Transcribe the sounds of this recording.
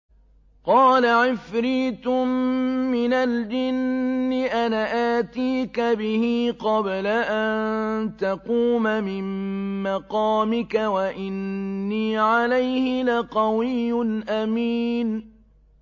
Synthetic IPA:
qɑːlaʕɪfɾiːt̪ʊmːɪnald͡ʒɪnːɪʔanaʔaːt̪iːkabɪhiːqɑblaʔant̪ɑquːmamɪmmɑqɑːmɪkawaʔɪnːiːʕalajhɪlaqɑwɪjːʊnʔamiːn

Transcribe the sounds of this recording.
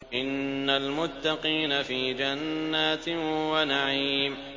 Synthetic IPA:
ʔɪnːalmʊt̪ːɑqiːnafiːd͡ʒanːaːt̪wanaʕiːm

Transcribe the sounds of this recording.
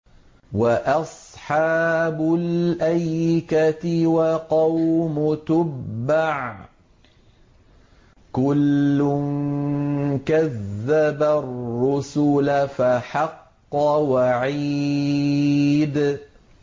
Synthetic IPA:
waʔɑsˤħɑːbʊlʔajkat̪ɪwaqɑwmʊt̪ʊbːaʕ | kʊlːʊn | kaðːabarːʊsʊlafaħɑqː | ɑwaʕi | d̪

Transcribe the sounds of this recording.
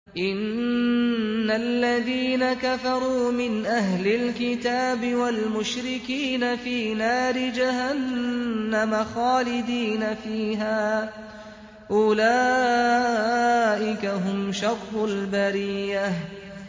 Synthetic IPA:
ʔɪn | alːaðiːnakafɑɾˤuːmɪnʔaɦlɪlkɪt̪aːbɪwalmʊʃɾɪkiːnafiːnaːɾɪd͡ʒahanː | amaxaːlɪd̪iːnafiːɦaː | ʔʊlaː | ʔɪkaɦʊmʃɑɾːʊlbaɾiːah

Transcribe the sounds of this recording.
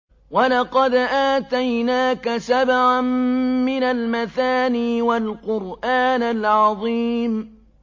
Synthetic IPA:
walɑqɑd̪ʔaːt̪ajnaːkasabʕammɪnalmaθaːniːwalqʊɾʔaːnalʕɑðˤiːm

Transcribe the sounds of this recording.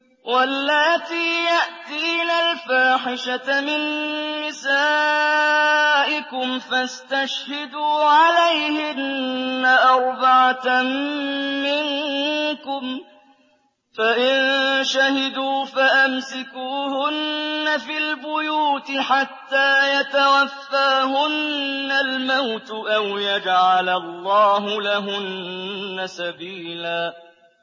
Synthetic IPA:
walːaːt̪iːjaʔt̪iːnalfaːħɪʃaamɪnmɪsaː | ʔɪkʊmfast̪aʃhɪd̪uːʕalajhɪnːaʔɑɾˤbaʕa | ɪŋkʊm | faʔɪnʃahɪd̪uːfaʔamsɪkuːhʊnːafilbʊjuːt̪ɪħat̪ːaːjat̪awafːaːɦʊnːalmawt̪ʔawjad͡ʒʕalalˤːɑːɦʊlaɦʊnːasabiːlaː

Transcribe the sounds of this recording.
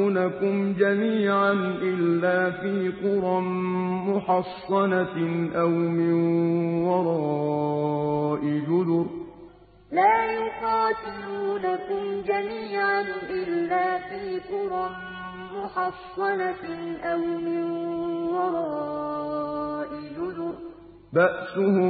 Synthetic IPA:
nakʊmd͡ʒamiːʕanʔɪlːaːfiːq̪ʊɾˤɑmʊħɑsˤːɑnaʔawmɪnwɑɾˤɑː | ʔɪd͡ʒʊd̪ʊɾ | laːjʊqɑːt̪ɪluːnakʊmd͡ʒamiːʕanʔɪlːaːfiːq̪ʊɾˤɑm | mʊħɑsˤːɑnaʔawmɪnwɑɾˤɑː | ʔɪd͡ʒʊd̪ʊɾ | baʔsʊh

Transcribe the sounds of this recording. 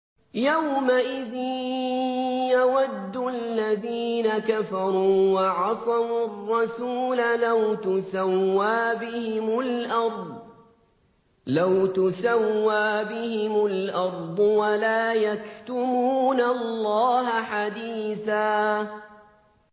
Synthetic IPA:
jawmaʔɪðɪn | jawad̪ːʊalːaðiːnakafɑɾˤuːwɑʕɑsˤɑwrˤːɑsuːlalawt̪ʊsawːaːbɪhɪmʊlʔɑɾˤd̪ˤ | lawt̪ʊsawːaːbɪhɪmʊlʔɑɾˤd̪ˤwalaːjakt̪ʊmuːnallːɑːɦaħad̪iːθaː

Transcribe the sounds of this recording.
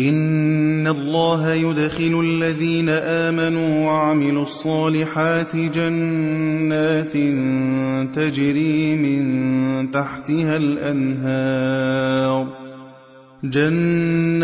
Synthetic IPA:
ʔɪnːalˤːɑːɦajʊd̪xɪlʊʔalːaðiːnaʔaːmanuːwaʕamɪluʔɑsˤːɑːlɪħaːt̪ɪd͡ʒanː | aːt̪nt̪ad͡ʒɾiːmɪnt̪aħt̪ɪhalʔanɦaːɾˤ | d͡ʒanː

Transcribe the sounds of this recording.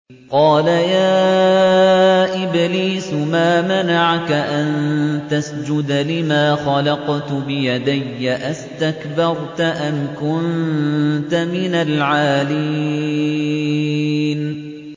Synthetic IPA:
qɑːlajaː | ʔɪbliːsʊmaːmanaʕkaʔant̪asd͡ʒʊd̪lɪmaːxɑlɑqt̪bɪjad̪ajːaʔast̪akbɑɾˤt̪aʔamkʊn | t̪amɪnalʕaːli | n

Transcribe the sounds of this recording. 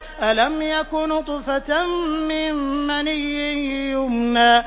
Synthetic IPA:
ʔalamjakʊnt̪ˤɨfat̪aːɪmːanijːɪjʊmnaː

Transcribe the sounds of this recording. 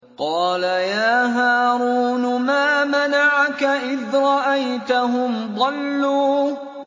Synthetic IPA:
qɑːlajaːɦaːɾuːnmaːmanaʕakaʔɪðɾˤɑʔajt̪aɦʊmd̪ˤɑlːuː

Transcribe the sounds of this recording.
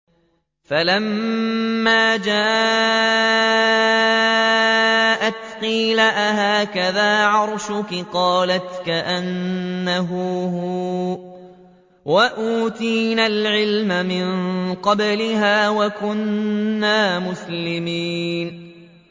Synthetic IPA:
falamː | aːd͡ʒaː | ʔat̪qiːlaʔaɦaːkaðaːʕɑɾˤʃʊkɪqɑːlat̪kaʔanːaɦʊɦʊ | waʔuːt̪iːnalʕɪlmamɪnqɑblɪhaːwakʊnːaːmʊslɪmiːn

